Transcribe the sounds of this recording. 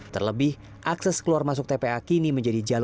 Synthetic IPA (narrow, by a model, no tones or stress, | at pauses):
t̪ərləbɪh | ʔaksɛskəluarmas̬ʊk̚t̪epeakiniməɲd͡ʒadid͡ʒal